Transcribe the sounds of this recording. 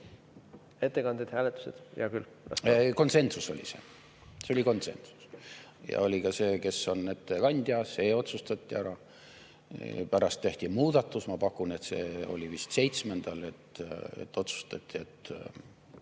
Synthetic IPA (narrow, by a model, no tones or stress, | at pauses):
et̪ːekɑnd̪ed̪hæːlet̪ːˑu̥sed̪̥jɑ̰kyl | ɑ̰ko̞nse̞nsuso̞̰lʲḭse̞̰ | seo̞lʲiko̞nt̪se̞̰nsu̥s | jɑ̰o̞lʲikɑse̞ːke̞sːo̞nːe̞t̪ːekɑnʲd̪̥ʲiɑseo̞t̪sust̪ɑt̪ʲːiæɾɑ | pæɾɑst̪ːe̞ht̪ʲimuːd̪̥ɑt̪ːˑusmɑpɑkːˑune̞t̪se̞ːo̞̰lʲivist̪se̞jt̪sme̞nd̪̥ɑle̞t̪ḛt̪ːˑo̞t̪su̥st̪ɑt̪ʲːˑie̞t̪ːˑ